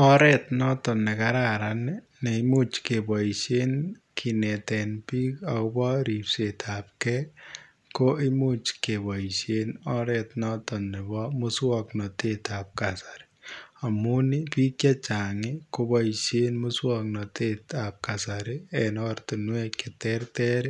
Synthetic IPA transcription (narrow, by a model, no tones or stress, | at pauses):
ɔɾɛt̪̚nɔtɔnːekaɾaɾan | neimut͡ʃkebɔiʃen | kʰinɛtɛnpikakobɔɾipsetap̚kɛ | koʔɪmut͡ʃkebɔiʃenɔɾet̪nɔtɔnːebɔmʊswɔknɔtet̪ap̚kasḁɾi̥ | amunipikjat͡ʃaŋɪkobɔiʃenmʊswɔk̚nɔtetap̚kasaɾɪɛnɔrt̪unweketɛrtɛɾi